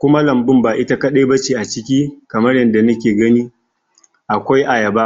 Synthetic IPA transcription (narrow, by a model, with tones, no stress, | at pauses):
kʷʊ˦ma˦lɐ˨mbɪ˦mbaː˨ʔɪ˦ta˦kɐ˦ɗe˦bɐ˦t͡ʃeː˨ʔa˨t͡ʃɪ˦kʲiː˦kɐ˨mɐ˦rjɐ˨nda˨nɐ˦kʲeː˨ɡɐ˦niː˦ | ʔa˨kʷa˦jʔa˨jɐ˨ba˦ʔ